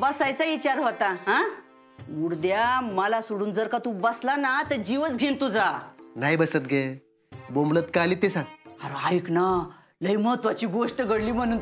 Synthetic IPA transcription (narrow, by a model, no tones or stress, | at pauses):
bəsajt͡saʋit͡ɕaɾɦot̪aɦã | muɽd̪jaməlasuɽuːnd͡zəɾkat̪ũbəslanat̪əd͡ʑiʋət͡sɡʱint̪ud͡zanajbəsət̪ɡe | bomblət̪kalit̪esãt̪aɾoajkna | ləjmət̪ʋat͡ɕiːɡoʂʈəɡəɽliːm̤əɽ̃uːn